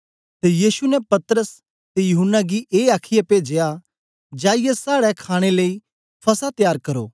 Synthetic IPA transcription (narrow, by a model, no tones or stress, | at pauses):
t̪ejiːsunɛpɐt̪ɾəs | t̪ejʊɦʊnːaɡiʔeːaːkʰɪjepeːd͡ʒea | d͡ʒaːɪjɛsaːɽɛkʰaːɽ̃eləi | pʰɐsat̪jaːɾkɐɾo̰ː